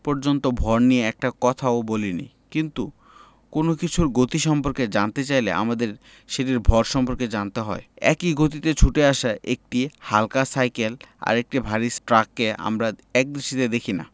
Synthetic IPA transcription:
pɔɾd͡ʑont̪obʱɔɾnieɛk̚ʈakɔt̪ʰaobolinḭ | kint̪u | konokit͡ɕʰuɾɡot̪iʃɔmpoɾked͡ʑant̪et͡ɕajlḛʔa̰mad̪eɾ | ʃeʈ̬iɾbʱɔɾʃɔmpoɾked͡ʑant̪eɦɔ̰eɛ̰kiɡot̪it̪et͡ɕʰuʈeaʃaʔek̚ʈihalkasajkela̰ɾek̚ʈibʱaɾisʈɾakːea̰mɾaɛk̚d̪ɾiʃit̪ed̪ekʰina̰

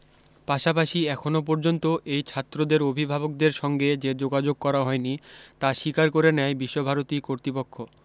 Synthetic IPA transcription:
paʃapaʃiɛkʰonop̬ɔɾd͡ʑont̪oʔejt͡ɕʰat̪ːɾod̪eɾobʱibʱabok̚d̪eɾʃɔŋɡed͡ʑed͡ʑoɡad͡ʑoɡ̚kɔɾaɦɔenit̪aʃikaɾkoɾenɛjbiʃːobʱaɾot̪ikoɾt̪ɾipokʰːo

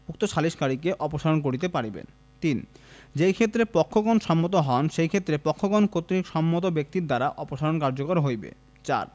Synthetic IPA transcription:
uk̚t̪oʃaliʃkaɾikeʔɔpoʃalonk̬oɾit̪̬epaɾibḛn | t̪ind͡ʑejkʰet̪ːɾepɔkʰːoɡonʃɔmːot̪̬oɦɔnʃejkʰet̪ːɾepɔkʰːoɡonkot̪ɾikʃɔmːot̪̬obek̚t̪iɾd̪aɾaʔɔpoʃalonkaɾd͡ʑokoɾɦojbḛ | t͡ɕa̰ɾ

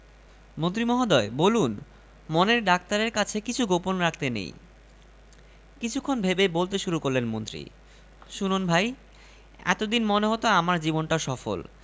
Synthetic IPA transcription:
mont̪ɾimɔɦad̪ɔebolun | moneɾɖak̚t̪aɾeɾkat͡ɕʰekit͡ɕʰuɡoponɾakʰt̪enḛj | kit͡ɕʰukʰːonbʱebebolt̪eʃuɾukoɾlenmont̪ɾḭ | ʃununbʱaj | ɛ̰t̪od̪inmoneɦot̪oamaɾd͡ʑibonʈaʃɔfo̰l

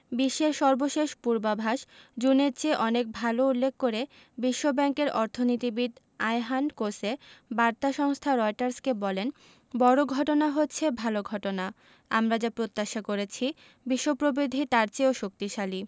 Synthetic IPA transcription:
biʃːeɾʃɔɾboʃeʃpuɾbabʱaʃd͡ʑuneɾt͡ɕeʔɔnek̚bʱaloulːek̚ʰːoɾe | biʃːobɛŋkeɾɔɾt̪ʰonit̪ibiʈ | ajɦankosebaɾt̪aʃɔŋst̪ʰaɾɔjʈaɾskebɔlen | bɔɾoɡʱɔʈonaɦotːɕʰebʱaloɡʱɔʈona | amɾad͡ʑapɾot̪ːaʃakoɾet͡ɕʰi | biʃːopɾobid̪ʱit̪aɾt͡ɕeoʃok̚t̪iʃali

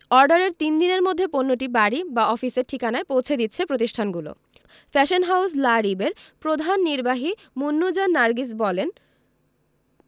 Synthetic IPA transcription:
ɔɾɖaɾeɾt̪ind̪ineɾmod̪ʱːeponːoʈ̬ibaɽibaɔfiseɾʈʰikanaepowt͡ɕʰed̪it̪ːɕʰepɾot̪iʃʈʰanɡulo̰ | fɛʃonɦawslaɾibeɾpɾod̪ʱanːiɾbaɦi | munːud͡ʑanːaɾɡis̬bɔlen

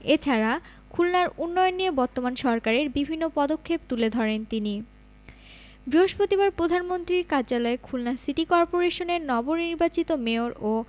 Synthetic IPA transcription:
et͡ɕʰaɾa | kʰulnaɾunːɔjonːijebɔɾt̪omanʃɔɾkaɾeɾbibʱinːopɔd̪okʰːep̚t̪uled̪ʱɔɾent̪ini | bɾiɦoʃpot̪ibaɾpɾod̪ʱanmont̪ɾiɾkaɾd͡ʑalɔekʰulnasiʈikɔɾpoɾeʃoneɾnɔboɾniɾbat͡ɕit̪omeoɾo

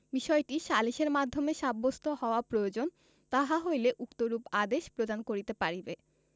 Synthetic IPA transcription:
biʃɔeʈiʃaliʃeɾmad̪ʱːomeʃabːost̪ʰohɔoapɾojod͡ʑon | t̪aɦaɦojleʔukt̪oɾupad̪eʃpɾod̪ankoɾit̪epaɾibe

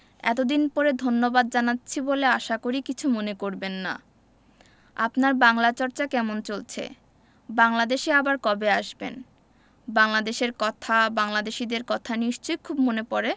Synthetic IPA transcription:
ɛ̰t̪od̪inpɔɾed̪ʱonːobad̪̚d͡ʑanatːɕʰiboleaʃakoɾikit͡ɕʰumonekoɾbenːa̰ | a̰pnaɾbaŋlat͡ɕɔɾt͡ɕakɛmont͡ɕolt͡ɕʰḛ | baŋlad̪eʃeabaɾkɔbeaʃbḛn | baŋlad̪eʃeɾkɔt̪ʰabaŋlad̪eʃid̪eɾkɔt̪ʰaniʃt͡ɕojkʰubmonepɔɾe

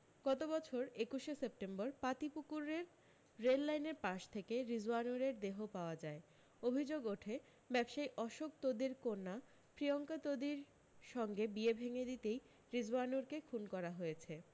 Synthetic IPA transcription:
ɡ̥ɔt̪obɔt͡ɕʰoɾekuʃesep̚ʈembɔɾpat̪ipukuɾeɾː | elːajneɾpaʃt̪ʰekeɾizanuɾeɾd̪eɦopaoad͡ʑae | obʱid͡ʑoɡoʈʰe | bɛbʃajʔɔʃok̚t̪od̪iɾkoɾna | pɾijoŋkat̪od̪iɾ | ʃɔŋɡebiebʱeŋed̪it̪ej | ɾizanuɾkekʰunkɔɾaɦojet͡ɕʰe

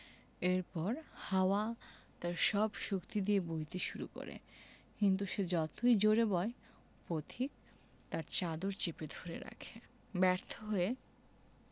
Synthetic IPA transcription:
eɾpɔɾhaoat̪aɾʃɔbʃukt̪id̪iebojt̪iʃuɾṵko̰ɾḛ | kint̪̬uʃed͡ʑɔt̪ojd͡ʑoɾebɔe | pot̪ʰik̚ | t̪aɾt͡ɕad̪oɾt͡ɕeped̪ʱoɾḛɾa̰kʰe | bɛɾt̪ʰoɦoe

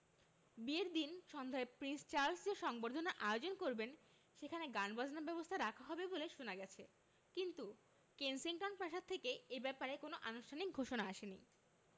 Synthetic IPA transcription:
bieɾd̪inʃɔnd̪ʱaepɾinst͡ɕaɾlsd͡ʑeʃɔŋboɾd̪ʱonaʔaeod͡ʑonkoɾben | ʃekʰaneɡanbad͡ʑnabɛbost̪ʰaɾakʰaɦɔbeboleʃonaɡɛt͡ɕʰe | kint̪u | kensiŋkanpɾaʃat̪ʰːekeebɛpaɾekonoʔanuʃʈʰanik̚ɡʱoʃonaaʃenḭ

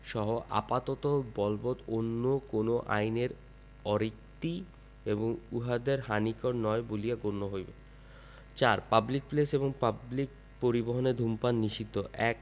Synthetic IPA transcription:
ʃɔɦoʔa̰pat̪ɔt̪obɔlbot̪onːokonoʔa̰jneɾ | ɔɾik̚ʈ̪i | eboŋuɦad̪eɾɦanikɔɾnɔebolijaɡonːoɦojbe | t͡ɕaɾpablik̚pleseboŋpablik̚ | poɾiboɦoneɾd̪ʱumpanːiʃit̪ːoʔɛk

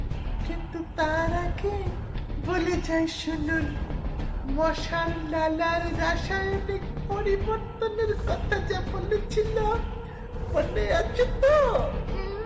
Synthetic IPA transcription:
kint̪ut̪aɾake | bolet͡ɕajʃunun | mɔʃalːalaɾɾaʃajomikpoɾiboɾt̪oneɾkɔt̪ʰad͡ʒabolet͡ɕʰilo | moneat͡ʃʰet̪o

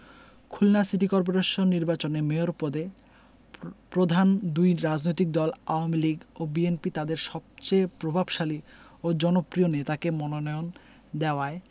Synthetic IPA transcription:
kʰulnasiʈikɔɾp̬oɾeʃonːiɾbat͡ɕonemeoɾpod̪e | pɾod̪ʱand̪ujɾad͡ʑnojt̪ik̚d̪ɔlaoamiliɡobienpit̪ad̪eɾʃɔb̚t͡ɕejpɾobʱabʃaliod͡ʑɔnopɾionet̪akemɔnonɔon | d̪eoae

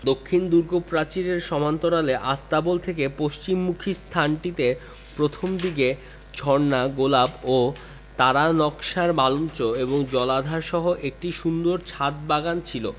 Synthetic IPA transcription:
d̪okʰːind̪uɾɡopɾat͡ɕiɾeɾʃɔmant̪oɾaleʔast̪abolt̪ʰekepoʃt͡ɕimːukʰist̪ʰanʈit̪e | pɾot̪ʰomd̪iɡe | t͡ɕʰɔɾnaɡolabo | t̪aɾanɔkʃaɾmalumt͡ɕoeboŋd͡ʑɔlad̪ʱaɾʃɔɦoʔek̚ʈiʃund̪oɾt͡ɕʰat̪̚baɡant͡ɕʰilo̰

